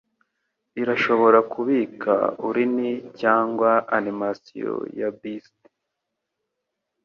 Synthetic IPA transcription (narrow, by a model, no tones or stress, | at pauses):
iɾaʃo̞βo̞ɾakuβiːkʰa̰uɾinicaːŋɡwaːnimasḭjo̰jabisti̥